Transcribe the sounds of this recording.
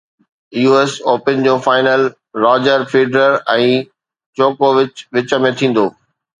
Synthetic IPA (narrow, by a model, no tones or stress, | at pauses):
juːesoːpənd͡ʑoːfaːɪnəl | ɾaːd͡ʑəɾfeːɖɾəɾɛ̃ː | t͡ɕoːkoːʋɪt͡ɕʋɪt͡ɕə̆mẽt̪ʰĩːn̆d̪oː